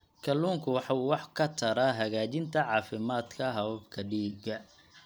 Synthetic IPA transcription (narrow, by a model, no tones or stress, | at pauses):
kʰɐluːŋkʰʊwɑħɑuːwɑħkʰɐt̪ʰɐɾaːɦɐɣaːt͡ʃɪnt̪ʰɐʕɑːfɪmaːd̪kʰɐɦɐβɐbkʰɐɖiːɡɐ